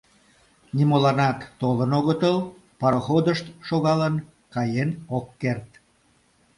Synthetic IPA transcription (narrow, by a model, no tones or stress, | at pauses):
nimolɑnɑt̪ːolənoɣət̪əl | pɑɾəxod̪əʃt̪ʃoɣɑlən | kɑjenokːert̪